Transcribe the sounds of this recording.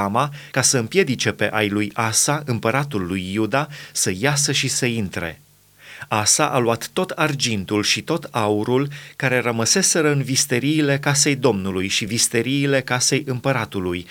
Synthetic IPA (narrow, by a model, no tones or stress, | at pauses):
amakasəɨmpje̞d̪it͡ʃe̞pe̞̰ʔajlujasaɨmpəɾat̪ulːujːud̪asəjasəʃisəint̪ɾe̞̰ | asaʔaluat̪ːo̞t̪ʰard͡ʒint̪ulʃit̪o̞t̪auɾulkaɾe̞rəməse̞se̞ɾəɨnvist̪eɾiːle̞kase̞jd̪o̞mnulujʃivist̪eɾiːle̞kase̞jʔɨmpəɾat̪uluj